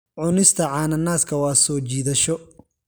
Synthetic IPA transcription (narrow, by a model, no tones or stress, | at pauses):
ʕʊnɪst̪ʰɐʕɑːnɐnaːskʰɐwɑːsɔːt͡ʃiːðɐʃɔ